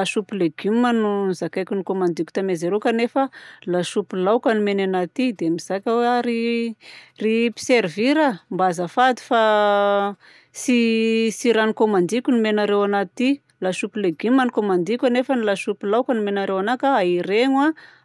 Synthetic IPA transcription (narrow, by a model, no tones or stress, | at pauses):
aʃupileɡ̥imanunzakajkʲunikomand̪ikʲu̥t̪amezeɾokanefəlaʃupilawkənimenanat̪id̪emiz̥akʲaweaɾi | ripi̥seɾviɾambazəfad̪i̥fa | sisiɾanikomand̪ikʲunimenaɾewanat̪i | laʃupileɡimːanikomand̪ikʲanefənilaʃupilawkənimenaɾewanakaaiɾeŋwa